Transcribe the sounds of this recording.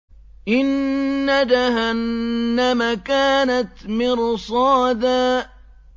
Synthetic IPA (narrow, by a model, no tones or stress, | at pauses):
ʔɪnːad͡ʒaɦanːamakaːnat̪mɪɾsˤɑːd̪aː